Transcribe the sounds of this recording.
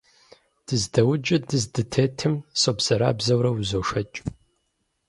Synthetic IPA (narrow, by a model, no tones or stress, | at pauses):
d̥ɨzdɐwd͡ʒʼɪdɨzdɨtʰeːtʰɨmsoːbz̥ɐɾa̰ːbzɐwɾɐwzoːʃɐt͡ʃʼ